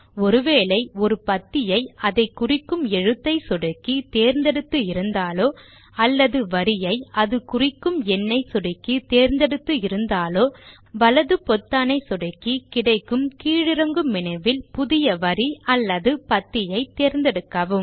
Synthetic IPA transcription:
ɔɾɯʋeːlɐɪɔɾɯpɐt̪ːɪjɐɪɐðɐɪkːʊrɪkːɯmɛɻɯt̪ːɐɪsɔɽɐkːit̪eːɾnd̪ɛɽɯt̪ːɯɪɾɯnd̪aːloː | ɐlːɐðɯʋɐɾɪjɐɪɐðɯkʊrɪkːɯmɛnːɐɪsɔɽɯkːit̪eːɾnd̪ɛɽɯt̪ːɯɪɾɯnd̪aːloː | ʋɐlɐðɯpɔt̪ːaːnɐɪsɔɽɐkːikɪɽɐɪkːɯmkiːɻɪɾɐŋɡɯmːɪnɐɪʋɪlpʊðɪjɐʋɐɾiɐlːɐðɯpɐt̪ːɪjɐɪt̪eːɾnd̪ɛɽɯk̪ːɐʋɯm

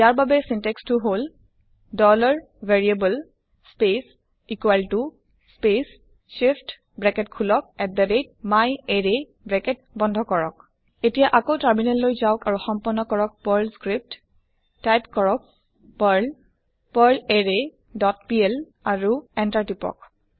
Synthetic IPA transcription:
jaɹbabɛsĩntɛkstuɦol | dɔlaɹ | veɹiebəl | spes | ikuwaltu | spes | ʃift | bɹɛkɛtkʰulɔk̚ɛt̚d̪əded̚majeɹe | bɹɛkɛt̚ | bɔndʱɔkɔɹɔ̰k | etijaʔakowtaɹminɛllojzaʊkaɹuxɔmpɔnɔkɔɹɔk̚pɔɹlskɹip̚t | tajpkɔɹɔk̚ | paɹl | pəɹleɹe | dɔtpiɛl | aɹuɛntaɹtipɔ̰k

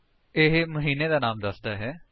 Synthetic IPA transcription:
ɪɦməɦiːneːd̪aːnaːmd̪əsd̪aːɦɛː

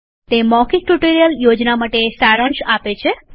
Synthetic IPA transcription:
t̪emɔkik̚ʈuʈoɾijəljod͡ʒnamaʈesaɾəɳʃapet͡ʃʰe

